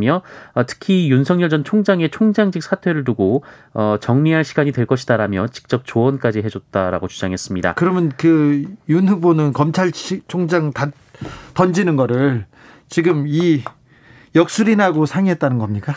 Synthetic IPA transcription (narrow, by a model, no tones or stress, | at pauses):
mjʌʌtʰɯ̥kʰijunsʰʌŋɲjʌɭd͡ʑʌnt͡ɕʰoŋd͡ʑaŋe̞t͡ɕʰoŋd͡ʑaŋd͡ʑik̚sʰatʰwe̞ɾɯɭt̬uɡoʌt͡ɕʌŋmiɦanɕʰiɡaɲidweɭk͈ʌɕʰidaɾamjʌt͡ɕi̥k̚t͡ɕ͈ʌp̚t͡ɕoʌnk͈ad͡ʑiɦe̞d͡ʑot̚t͈aɾa̰ɡot͡ɕud͡ʑaŋɦe̞s͈ɯmɲida̰kɯɾʌmjʌnkɯjunɦubonɯnkʌmt͡ɕʰaɭit͡ɕʰoŋd͡ʑaŋta | tʌnd͡ʑinɯnɡʌɾɯɭ | t͡ɕiɡɯmi | jʌk̚s͈uɾinaɡosʰaŋiɦet̚t͈anɯnɡʌmɲik͈a